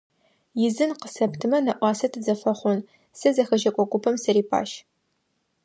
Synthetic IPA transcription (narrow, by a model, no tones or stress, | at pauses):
jɪzɨnqəsɐptʰɨmɐnɐʔʷɑːsɐtʰɨzɐfɐχʷʊn | sɨzɐxɐʒɐkʷʼɔkʷʼʊpʰɐmsɐɾiːpʰa̰ːʃ